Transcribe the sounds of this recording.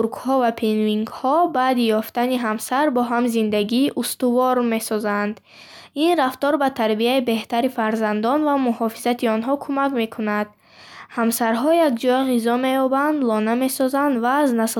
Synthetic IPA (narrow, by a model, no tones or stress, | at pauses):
uɾkhɔvapʰinviŋɡhɔbaːd̪ijɔft̪aniɦamsaɾbɔɦamzind̪aɡiːʔust̪uvɔɾme̞sɔzand̪ | inɾaft̪ɔɾbat̪ʰaɾbiaibe̞ht̪aɾifaɾzand̪ɔnvamuhɔfizat̪ʰiɔnɦɔkʰumakme̞kʰunad̪̥ | hamsaɾɦɔjakd͡ʒɔjʁizɔme̞jɔband̪lɔname̞sɔzand̪vaːznas